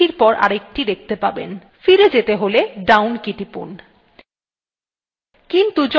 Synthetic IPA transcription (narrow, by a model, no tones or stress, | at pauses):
iɾpɔɾʔa̰ɾek̚ʈid̪ek̚t̪epabḛn | fiɾed͡ʑet̪eɦoleɖawnkiʈipṵn | kint̪ud͡ʑɔ